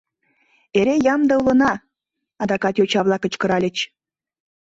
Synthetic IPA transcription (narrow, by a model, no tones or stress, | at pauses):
eɾejɑmd̪ɑulɤ̆nɑ | ɑd̪ɑkɑt̪jot͡ɕɑβlˠɑkə̆t͡ɕkə̆ɾɑlʲə̆t͡ɕ